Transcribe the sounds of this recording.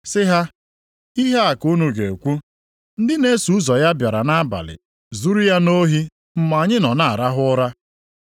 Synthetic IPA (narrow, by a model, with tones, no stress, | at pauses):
sɪ˦ɦa˦ | i˦ɦe˦a˨ku˦nu˨ɡe˨kʷu˦ | n̩˦dɪ˦ne˦su˨˦zɔ˨ja˦bja˨ɾa˨na˦ba̰˨lɪ̰˨ | zu˦ɾu˦ja˦no˦ɦi˦ | m̩˨ma˨ɲɪ˦nɔ˨na˦˨a˨ɾa˦ɦʊ˦ʊ˦ɾa˦